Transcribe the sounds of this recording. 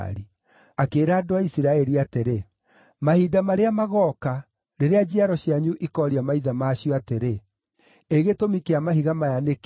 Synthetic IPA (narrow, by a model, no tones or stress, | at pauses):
ɾi | akeːɾaːdoaisiɾaɛɾiateɾe | mahidamaɾeamaɣɔka | ɾeɾead͡ʑiaɾɔɕiaɲuʔikɔɾiamaiðamaɕiɔateɾe | eɣetomikeamaɦiɣamajanek